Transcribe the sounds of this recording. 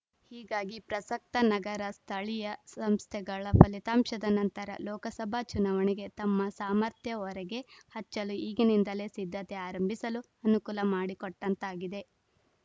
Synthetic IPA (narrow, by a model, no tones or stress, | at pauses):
hiːɡaːɡipɾɐsɐk̚t̪ɐnɐɡɐɾɐst̪ʰɐɭijɐsɐmst̪ʰɛɡɐɭɐpʰɐlit̪aːmʃɐd̪ɐnɐnt̪ɐɾɐ̰lɔːkɐsɐbʱat͡ʃunɐʋɐniɡe̞t̪ɐmːɐsaːmɐɾt̪ʰjɐɔɾɛɡe̞hɐt͡ʃːɐluiːɡinind̪ɐle̞ːsid̪ʱːɐt̪eaːɾɐmbʱisɐlu | ɐnukulɐmaːɽikɔʈːɐnt̪aːɡid̪e̞